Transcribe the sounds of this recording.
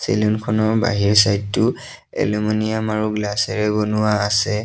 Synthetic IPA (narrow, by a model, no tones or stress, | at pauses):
sḛlunkʰɔnɔɹba̰ɦiɹsajdtʊ | ɛ̰lemɔnijamaɹuɡlasɛɹɛbonʊwaːsɛ